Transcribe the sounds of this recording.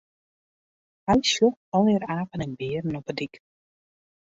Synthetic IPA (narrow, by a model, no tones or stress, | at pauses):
hɛjsjokɔlˠɪːɾaːfənənbɪərn̩ɔpədik